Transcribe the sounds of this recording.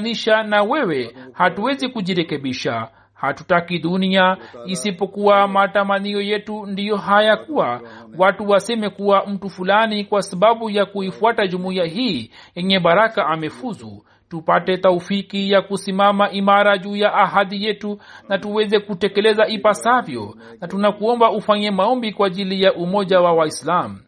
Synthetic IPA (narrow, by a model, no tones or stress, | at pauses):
niʃanawɛwɛhatuwɛzikuʄiɾɛkɛɓiʃa | hatutakiɗuniaisipɔkuwamatamaniɔjɛtundijɔɦajakuwawatuwasɛmɛkuwam̩tufulanikwasaɓaɓujakuifuataʄumuiaɦiːjɛɲɛɓaɾakaʔamɛfuzṵ | tupatɛtaufikijakusimamaʔimaɾaʄuːjaʔːɦaðijɛtunatuwɛzɛkutɛkɛlɛzaipasavjɔ̰ | natunakuɔmbaufaɲɛmaɔmbikwaːʄilijaʔumɔʄawawaislamu